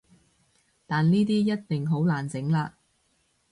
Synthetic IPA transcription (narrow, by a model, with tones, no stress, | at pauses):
t̪aː˨nniː˥t̪iː˥jɐ˥t̚t̪ɪ˨ŋɦo˨˥wlaː˨˩nt͡sɪ˨˥ŋlaː˧